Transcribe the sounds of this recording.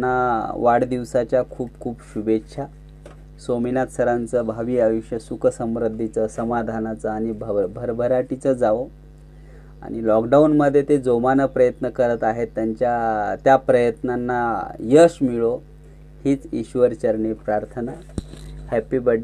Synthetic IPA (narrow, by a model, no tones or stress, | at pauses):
nːaʋaɽd̪iʋsat͡ɕjakʰuːpkʰuːpɕubʱetɕʰa | sominat̪səɾant͡səbʱaʋiːajuɕjəsukəsəmɾəd̪ʱːit͡səsəmad̪ʱanat͡səaɽ̃ibʱbʱəɾbʱəɾaʈit͡səd͡zaʋo | a̰ɽ̃ilɔkɖaunməd̪ʱːjet̪ed͡zomanəpɾəjət̪nəkəɾət̪aɦet̪ːjaɲt͡ɕjat̪japɾəjət̪nanːajəɕmiɭo | hiːt͡sḭɕʋəɾt͡ɕəɾɳipɾaɾt̪ʰəna | hɛpibəɖ